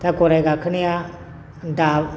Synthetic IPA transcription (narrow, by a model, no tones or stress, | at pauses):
t̪akoɾajɡakʰɯnija | da